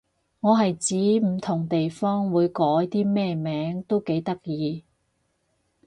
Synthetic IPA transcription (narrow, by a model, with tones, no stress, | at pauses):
ŋɔː˨˧ɦɐ˨jt͡siː˨˥m̩˨˩t̪ʰʊ˨˩ŋt̪e˨jfɔː˥ŋwuː˨˧jkɔː˨˥jt̪iː˥mɛː˥mɛː˨˥ŋt̪o˥wke˨˧˥jt̪ɐ˥k̚jiː˨˧